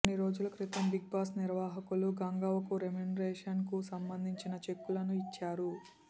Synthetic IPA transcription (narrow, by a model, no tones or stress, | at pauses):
niɾo̞ːd͡ʒulɐkɾit̪ɐmbiɡ̚baːsniɾʋaːɦɐkuluɡɐŋɡɐʋɐkuɾemenɾɛːʂɐnkusɐmbɐnd̪ʱiɲt͡ʃinɐt͡ʃe̞kːulɐnuit͡ʃːaːɾu